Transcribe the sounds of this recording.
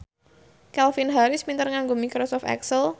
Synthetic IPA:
kɛlfinɦaɾɪsmint̪ərŋaŋɡomikɾosɔft̪ɛ̰ksəl

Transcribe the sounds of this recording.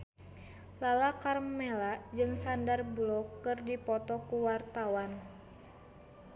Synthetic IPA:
lalakarmmːɛlad͡ʒɨŋsandarblɔkːɨrdipɔt̪ɔkuwart̪awan

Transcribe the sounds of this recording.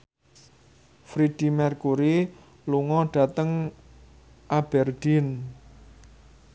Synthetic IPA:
fɾid̥i̤mɛrkuɾi | luŋɔɖ̥ä̤t̪əŋ | ʔab̥ɛrd̥in

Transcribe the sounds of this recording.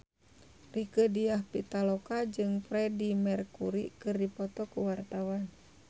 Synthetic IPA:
rikədiahpit̪alokad͡ʒɨŋpɾɛdimɛrkuɾḭkɨrdipɔt̪ɔkuwart̪awan

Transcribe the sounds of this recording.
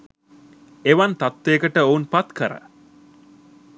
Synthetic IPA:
eʋant̪at̪ʋeːkəʈəounpat̪kəɾə̰

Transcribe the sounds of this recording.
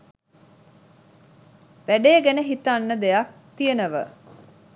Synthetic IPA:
ʋæɖeːɡænəɦit̪anːəd̪ejak̚t̪ijənəʋə̰

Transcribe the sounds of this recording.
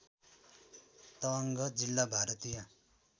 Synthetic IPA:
t̪ʌːŋɡʌd͡zilːabʱaɾʌt̪ijʌ

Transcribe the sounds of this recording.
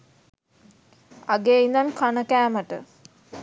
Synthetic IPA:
aɡeind̪ankanəkæːməʈə̰

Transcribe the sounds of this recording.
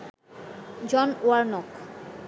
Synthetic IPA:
d͡ʑɔnoaɾnɔk

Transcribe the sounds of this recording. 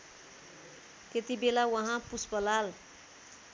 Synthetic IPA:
t̪et̪ibelawʌɦãpuspʌlal

